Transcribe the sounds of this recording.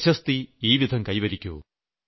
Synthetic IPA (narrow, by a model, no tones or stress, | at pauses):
ɕɐst̪iiːʋid̪ʱɐmkɐjʋɐɾikʲːuṵ